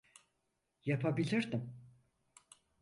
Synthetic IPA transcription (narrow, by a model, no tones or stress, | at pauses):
japʰabilʲiɾd̪im